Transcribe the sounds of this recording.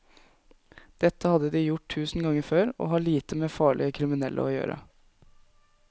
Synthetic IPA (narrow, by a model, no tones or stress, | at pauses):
d̪̥ɛt̪ːəhɑd̪ːəd̪iːjʊʈ̚tʰʉːsnɡɑŋːəføːɾɔ̰ːɦɑːɭiːt̪əmeːfɑːɭɪəkʰɾɪmɪnɛlːʔə̰ɔːjø̰ːɾə̰